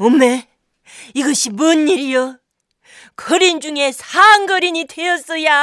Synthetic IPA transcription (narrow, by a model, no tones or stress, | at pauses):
omːe | iɡʌɕʰimunːiɾijo | kʌɾind͡ʑuŋe̞sʰaŋɡʌɾiɲidejʌs͈ʌja